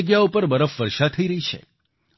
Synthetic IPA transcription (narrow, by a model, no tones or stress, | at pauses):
ɡjaupəɾbəɾəfʋəɾʃat̪ʰːəiɾəɦit͡ʃʰḛ